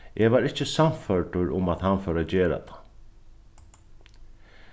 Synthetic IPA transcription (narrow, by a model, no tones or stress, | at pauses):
ʔeʋaɾɪht͡ɕːɪsamfœɹʈʊɾʊmaðhanfœːɾad͡ʑeːɾa̰t̪ʰḁ